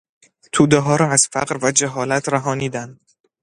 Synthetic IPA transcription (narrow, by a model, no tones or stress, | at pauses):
t̪ʰuːd̪eɦɒːɾɒːæz̥fæ̰ɢɾvæd͡ʒæɦɒːlæt̪ʰɾæɦɒːniːd̪ænd̪